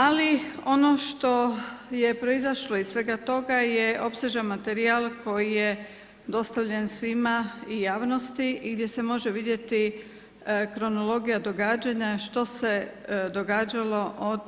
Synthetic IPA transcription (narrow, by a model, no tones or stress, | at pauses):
alio̞no̞ʃt̪o̞jepɾo̞izaʃlo̞issʋe̞ɡat̪o̞ɡajeʔo̞pseʒamat̪eɾialˠko̞jije | d̪o̞st̪aʋʎe̞nsʋimaijaːʋno̞st̪iiɡd̪je̞semo̞ʒeʋid̪je̞t̪i | kɾo̞no̞lo̞ɡijad̪o̞ɡaːd͡ʑaɲaʃt̪o̞sed̪o̞ɡaːd͡ʑalo̞ʔod̪